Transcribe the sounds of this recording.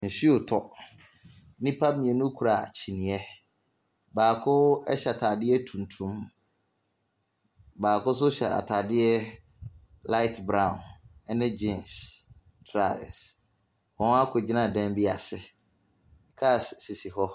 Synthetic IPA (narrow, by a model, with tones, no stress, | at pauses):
n̩˨si˦o˨tʰɔ˨˦ | nɪ̃˦pʰa˦mĩ˨ɛ˨nũ˦kʰu˨ɾa˨t͡ɕʰi˨nĩ˨ɛ˦ | baː˨kʰʊ˦ɛ˦ɕɛ˨a˨tʰa˨dɪ˦ɛ˦tʰũ˨ntʰũ˦m | baː˨kʊ˦s̬ʊ˦ɕɛ˨a̰˨tʰa˨dɪ˦ɛ˦ | la˦ɪ˦tbɾã˨nɛ˦nɪ̃˦d͡ʑɪ̃˦˨ns | tʰɾa̰˦˨s | hɔ̃˨n˦a˦kʰʊ˨d͡ʑi˦nã˨dɛ̃˦m˦bi˦a˨sɪ˨ | kʰa˦˨ssi˨si˨hɔ˦